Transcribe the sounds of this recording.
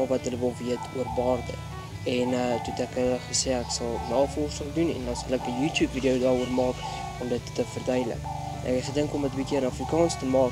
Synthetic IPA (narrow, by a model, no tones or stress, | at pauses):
vɐtɦələvəlˠviətʰuərbɑːrdə̰ | ɛnətutækəχəseːæksɐlˠnɑːfɔrsəlˠdunɛ̰ndɑnsɐlækəjʉːtjuːpvidiəwdɑːɾuərmɑːk | ɔmdətːəfərdœjdlə̰k | nʔæ̰kχədəŋkɔmətəbikiənɑfrikɑːnstəmɑːk